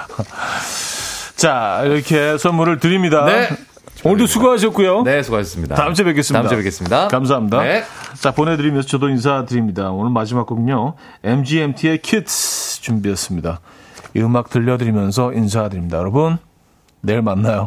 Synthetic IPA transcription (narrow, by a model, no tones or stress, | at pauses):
t͡ɕaiɾʌkʰe̞sʰʌnmuɾɯɭtɯɾimɲidan | onɯt̪osʰuɡoɦaɕ̬ʰʌt̚k͈ujonesʰuɡaɕʌsmɲida̰taɯmt͡ɕ͈ʰebe̞k̬͈es͈ɯmaidaeek͈es͈ɯmɲidakams̬ʰaɦamɲidaet͡ɕapone̞dɯɾimjʌnsʰʌt͡ɕʌdoins̬ʰatɯɾimɲidaonɯɭmad͡ʑimak͈oɡɯɲo | emd͡ʑiemtʰiekʰitʰt͡ɕumbies͈ɯmɲidaɯmak̚tɯʎːʌdɯɾimjʌnsʰʌʔins̬ʰadɯɾimɲidajʌɾʌbunː | eɭmanːajo